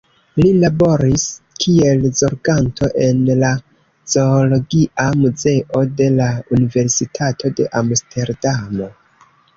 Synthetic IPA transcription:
lilabo̞ɾiskʰie̞lzo̞ɾɡantʰo̞ʔe̞nla | z̥olo̞ɡiʔamuze̞ʔo̞de̞launive̞ɾsitʰatʰo̞de̞ʔamstʰe̞ɾdamo̞

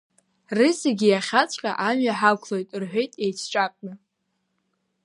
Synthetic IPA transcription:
rɨseɡʲijaχʲat͡ɕʷʰʼqʲʼa̰ʔamɥaħakʷʰlo̞jtʼrħʷᶣe̞jtʼejt͡sʰt͡ʃʷʼakʷʼnɨ

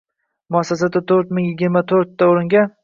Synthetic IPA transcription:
mʊasːasad̪at̪ʰɵɾt̪mɪŋjɪɡʲɪɾmat̪ʰoɾt̪ːaoɾɪŋɡʲan

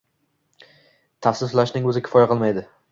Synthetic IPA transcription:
t̪ʰafsɪsʊlˠaʃnɪŋɵzɪkʲʰɪ̥fɒjaqʰɨlˠmajd̪ɪ

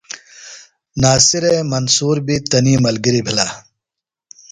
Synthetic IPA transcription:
naːsiɾeːmɐnsuːɾbit̪ɐniːmɐlɡiɾibʱilaː

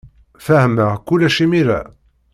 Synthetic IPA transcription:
fæhəməkulːæʃimiɾæ̰

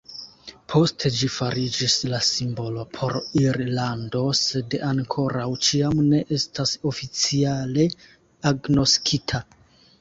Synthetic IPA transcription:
pʰo̞stʰe̞d͡ʒifaɾid͡ʒislasimbo̞lo̞pʰo̞ɾiɾlando̞se̞daŋkʰo̞ɾawt͡ʃiamne̞ʔe̞staso̞fit͡siale̞ | aɡno̞skʰitʰa

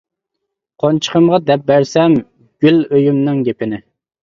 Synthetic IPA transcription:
qʰont͡ʃʰə̥qʰəmʁɑd̪ɛp̚bæɾsɛm | ɡ̥ʲyløjymnɪŋɡʲepɪnɪ

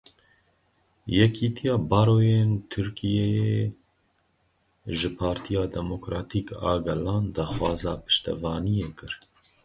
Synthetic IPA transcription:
jɛkʰiːt̪ʰijɑːbɑːɾoːjeːnt̪ʰɨɾkʰijejee | ʒɪpʰɑːɾt̪ʰijɑːd̪ɛmokɾɑːt̪ʰiːkɑ̰ːɡɛlɑːnd̪ɑːxwɑːzɑːpʰɨ̥ʃt̪ɛ̰vɑːnijeːkɨɾ

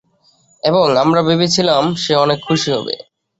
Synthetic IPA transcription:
eboŋamɾabebit͡ɕʰilamʃeɔnekʰːuʃiɦɔ̰bḛ

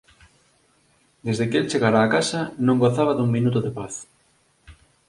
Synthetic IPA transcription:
d̪ezðekelt͡ʃeɣaɾaːkasɐnõŋɡoθaβɐðuŋmĩnut̪ʊðepaθ

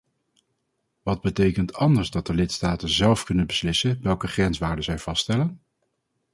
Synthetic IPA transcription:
ʋɑd̚bətejkəntɑndəɹzdɑt̚dəlɪtstaːtənzɛlˠfkɵnənbəslɪsənʋɛlˠkəχrɛnsʋaːɹdəzɛjv̥ɑstɛlən

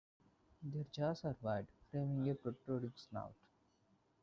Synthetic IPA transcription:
d̪eɾd͡ʒaːsaɾʋaɪɖfɾẽːmɪ̃ŋɡepɾoʈɾoːɾiksna̰ʊʈ

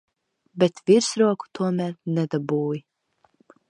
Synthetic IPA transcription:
bɛt̪vʲiɾsɾuɔku̥t̪ʰuɔmæɾnɛd̪abuːj

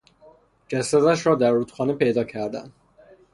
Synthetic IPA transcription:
d͡ʒæsæd̪æʃɾɒːd̪æɾːuːt̪xɒːnepe̞jd̪ɒːcʰæɾd̪æ̰nd̪̥

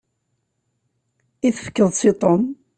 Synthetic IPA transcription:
iθəfə̥kːəðˤsit̪ˤɔm

